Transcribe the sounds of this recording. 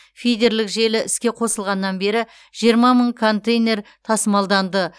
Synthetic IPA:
fʲijd̪ʲe̞ɾlɪkʒe̞lɪʔɪskʲe̞qʰo̞səlˠʁɑnːɑnbe̞ɾɪ | ʒ̥ijəɾmɑməɴkʰo̞nt̪ejne̞ɾt̪ʰɑsəmɑlˠd̪ɑnd̪ə

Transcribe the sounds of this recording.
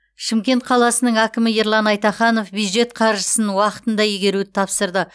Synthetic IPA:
ʃɪmkʲe̞nt̪̚qʰɑlˠɑsənəɴŋækʲɪmɪeɾlˠɑnɑjt̪ɑχɑno̞fbjud̪ʒe̞t̪̚qʰɑɾʒəsənwɑqə̥t̪ənd̪ɑjeɡʲe̞ɾud̪ɪt̪ʰɑpsəɾd̪ə

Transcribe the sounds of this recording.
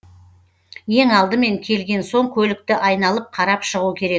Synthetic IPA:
je̞ŋɑlˠd̪əme̞ŋkʲʰe̞lɡʲe̞nso̞ŋkʲʰɵlɪk̚t̪ɪʔɑjn̪ɑlˠəp̚qʰɑɾɑpʃəʁuəkʲʰe̞ɾe̞k̚

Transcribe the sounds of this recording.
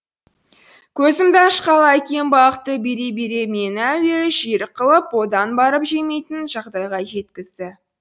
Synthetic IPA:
kʲʰɵzɪmd̪ɑʃqɑlˠɑækʲe̞nbɑlˠəqt̪ːəbe̞ɾe̞be̞ɾe̞me̞næweʒiɾqʰəlˠəpwo̞d̪ɑnbɑɾəpʒeme̞jt̪ɪnʒɑʁd̪ɑjʁɑʒe̞t̪̚kʲɪzd̪ɪ

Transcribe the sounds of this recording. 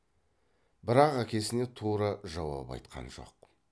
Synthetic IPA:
bɪɾɑqækʲe̞sɪne̞t̪ʰuɾɑʒɑwɑ̰pɑ̰jt̪qʰɑ̰nʒo̞̰q

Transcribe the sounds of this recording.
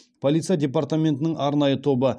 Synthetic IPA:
pʰolit̪sɨjad̪ʲe̞paɾrt̪amʲent̪ɪnɪŋʔɑɾnɑjət̪ʰo̞bə

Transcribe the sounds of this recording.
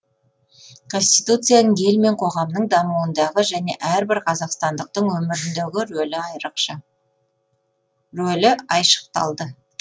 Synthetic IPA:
kʰo̞nsʲt̪ijt̪ut̪sɨjanəɴe̞lme̞ɴqʰo̞ʁɑmnəɴd̪ɑmuənd̪ɑʁəʒæne̞̰ʔæɾbɪɾqʰɑzɑqst̪ɑnd̪əq̚t̪əɴwɵmɪɾɪnd̪eɡʲɪlɪɑjɾəqʃ | ɾɵlɪɑjʃə̥qt̪ɑ̰lˠd̪ə

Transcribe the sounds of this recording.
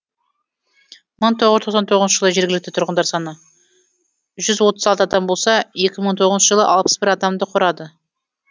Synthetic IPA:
məɴt̪ʰo̞ʁəzt̪ʰo̞qsɑnt̪ʰo̞ʁzʃəʒəlˠəʒe̞ɾɡʲɪlɪk̚t̪ɪt̪ʰʊɾʁənd̪ɑɾsɑnə | ʒʏzwo̞t̪ə̥zɑlt̪əɑd̪ɑmbo̞lˠsɑe̞kʲɪməɴt̪ʰo̞ʁəznʃəʒəlˠə̰ʔɑlˠpə̥sbɪɾɑd̪ɑmd̪əqʰʊɾɑd̪ə

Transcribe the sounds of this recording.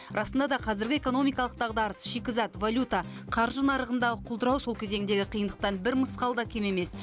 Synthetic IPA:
ɾʔɑsənd̪ɑd̪ɑqʰɑzɪɾɡʲɪeko̞no̞mijkɑlˠəq̚t̪ɑʁd̪ɑɾəsʃikʲɪzɑt̪valʲut̪ɑ | qʰɑɾʒənɑɾəʁənd̪ɑʁəqʰʊlˠd̪əɾɑwso̞lˠkʲʰeze̞ŋɪnd̪e̞ɡʲɪqʰijənd̪əq̚t̪ɑnbɪɾməsqɑlˠd̪ɑkʲʰe̞me̞me̞s

